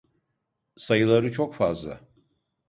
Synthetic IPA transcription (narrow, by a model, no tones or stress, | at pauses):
sajɯlˠaɾɯt͡ʃʰokfazlˠa̰